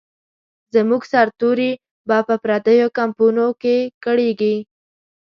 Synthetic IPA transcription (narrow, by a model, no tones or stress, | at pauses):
zəmuɡsaɾt̪uɾi | bɑpəpɾad̪əjokampunokekəɽeɡi